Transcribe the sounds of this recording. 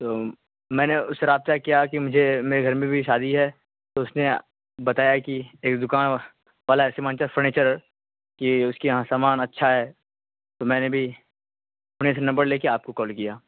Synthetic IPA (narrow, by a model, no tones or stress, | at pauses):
t̪oː | mɛ̃ːneʊsːeɾaːb̚t̪akijakimʊd͡ʒʱemeːɾeɡʱɐɾmẽbʱiʃaːd̪iɦɛ | t̪oʊsne | bɐt̪aːjakieːkd̪ʊkaːn | ʋaːlaɛsemaəːnt͡ʃəɾfʰɐɾneːt͡ʃəɾ | kiʊskijɦãsaːmaːnɐtːʃʰaɦɛː | t̪oːmɛ̃ːnebʱi | fʰɐneːs̬enɐ̃mbəɾleːkeaːp̚kokɔːlkijaː